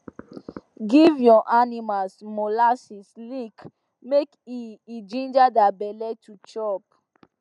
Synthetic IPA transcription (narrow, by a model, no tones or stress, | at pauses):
ɡivjɔʔanimalsmolasislik | mekiid͡ʒĩnd͡ʒadabɛlɛtʰut͡ʃɔp̚